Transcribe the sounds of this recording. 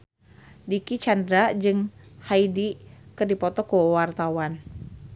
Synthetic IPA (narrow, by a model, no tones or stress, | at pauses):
dikit͡ʃandɾad͡ʒɨŋhaidikɨrdipɔt̪ɔkuwart̪awan